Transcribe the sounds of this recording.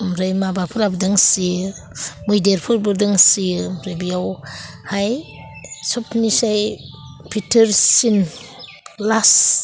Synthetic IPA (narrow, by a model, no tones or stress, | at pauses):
mɾɯjmabapʰɯɾabdɯŋsi | mɯjdeɾpʰɯɾbɯdɯŋsiɯmɾajbijaw | haj | sɔpʰnisaj | pʰitʰɯɾsin | las